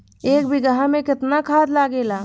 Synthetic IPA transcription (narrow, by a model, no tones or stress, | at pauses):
ekbiɡɦamẽkɪt̪nakʰad̪laɡela